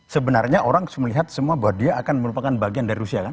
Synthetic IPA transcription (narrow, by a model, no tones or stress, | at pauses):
səbənarɲaʔoɾaŋsməliɦat̪̚səmuabuat̪̚diaːkanməɾupakanbaɡiandaɾiɾusiakan